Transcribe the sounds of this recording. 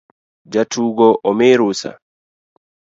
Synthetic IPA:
d͡ʒatʰuɡɔʔɔmeɾusa̰

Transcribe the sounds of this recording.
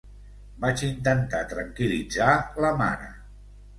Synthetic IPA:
bat͡ʃint̪ənt̪at̪ɾəŋkilid͡zaləma̰nə̰

